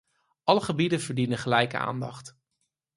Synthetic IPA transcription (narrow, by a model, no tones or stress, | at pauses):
ʔɑləχəbidənvəɹdinənχəlɛjkəa̰ːndɑχt